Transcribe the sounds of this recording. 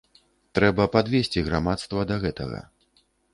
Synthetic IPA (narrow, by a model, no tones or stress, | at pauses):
t̪ɾɛbɐpad̪vʲesʲt͡sʲiɣɾamat̪st̪vɐd̪ɐɣɛt̪ɐ̰ɣɐ̰